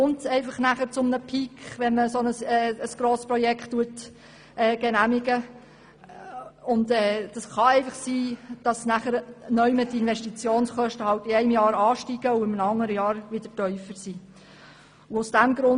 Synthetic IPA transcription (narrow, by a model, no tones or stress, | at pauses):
ʊntsɛɪfɑχnæχəɾt͡sʊmnəpʰikʋɛnməsoɔnəsɛːəsɡ̥ɾoːspɾɔjɛkχtːuət | ʔɛːɡ̥ɛnæmɪɡə | ʊntɛːd̥ɑsχɑɛɪfɑχsiːd̥ɑsnæχəɾnœʏmətiɪnʋɛʃtit͡sjoːnsχœʃtəhɑwtɪɛɪmjɑːɾɑːʃtiɡ̥əʊɪmənəɑŋːəɾəjɑːɾʋɪd̥əɾtœʏfəɾsiː | ʊʊsd̥æmɡɾʊn